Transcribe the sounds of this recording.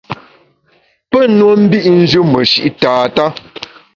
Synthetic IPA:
pə˦˨nwo˦m̩˦bi˦ʔn̩˦d͡ʒʉ˦mə˨ʃḭ˨ʔtaː˨ta˦

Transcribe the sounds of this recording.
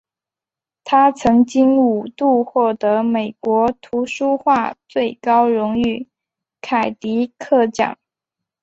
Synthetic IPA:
t̪ʰa˥t͡sʰɤ˧˥ŋt͡ɕi˥ŋu˨˩t̪u˥˧xwɔ˥˩t̪ɤ˧˥me˨˩ɪkwɔ˧˥t̪ʰu˧˥ʂu˥xwa˥˧t͡swe˥˩ɪkɑ˥ʊɻʊ˧˥ŋy˥˩ | kʰa˨˩ɪt̪i˧˥kʰɤ˥˧˩t͡ɕɑ̰˨˩˦ŋ

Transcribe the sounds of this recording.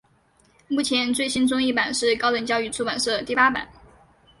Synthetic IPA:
mu˥˩t͡ɕʰjɛ˧˥nt͡swe˥˩ɪɕi˥nt͡sʊ˥ŋi˥˩pa˨˩nʂɻ̩˥˩kɑ˥lə˨˩ŋt͡ɕjɑ˥˧ʊy˥˩ʈ͡ʂʰu˥˩pa˨˩nʂɻ̩˥˩ə˨˩t̪i˥˩pa˥pa̰˨˩˦n

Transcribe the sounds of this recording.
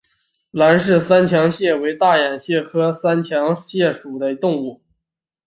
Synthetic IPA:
la˧˥nʂɻ̩˥˩sa˥nt͡ɕʰjɑ˧˥ŋɕjɛ˥˩we˧˥ɪt̪a˥˩ja˨˩nɕjɛ˥˩kʰɤ˥sa˥nt͡ɕʰjɑ˧˥ŋɕjɛ˥˩ʂu˨˩d̪ə˦˥t̪ʊ˥˧ŋu˥˩

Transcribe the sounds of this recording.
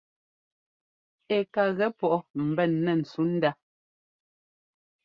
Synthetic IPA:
e˨ka˨ɣɛ˦pɔ˦ʔɔ˦m̩˨bɛ˦˨nːɛ˨n̩˨su˨˦n̩˦da˦

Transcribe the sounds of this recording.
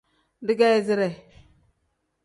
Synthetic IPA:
di˦ɡa˦zi˦ɾe˨

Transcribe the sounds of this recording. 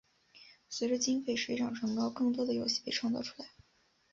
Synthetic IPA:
swe˧˥ʈ͡ʂə˧t͡ɕi˥ŋfe˥˩ɪʂe˧˥ʈ͡ʂʰɑ˨˩ŋʈ͡ʂʰɤ˧˥ŋkɑ˥ʊkɤ˥˩ŋt̪̬wɔ˥d̪ə˨jo˧˥ʊɕi˥˩pe˥ɪʈ͡ʂʰwɑ˥˧ŋt͡sɑ˥˧ʊʈ͡ʂʰu̥˥la˧˥ɪ

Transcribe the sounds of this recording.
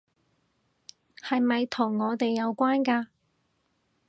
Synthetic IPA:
hɐ˨jmɐ˨jt̪ʰʊ˨˩ŋːɔː˨˧t̪e˨jːɐ˨˧wkʷaː˥nkaː˧

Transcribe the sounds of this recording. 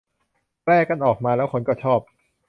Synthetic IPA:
lɛː˥˩kːa˧nʔɔː˨˩k̚maː˧lɛː˦˥wkʰo˧nkɔː˥˩t͡ɕʰɔː˥˩p̚

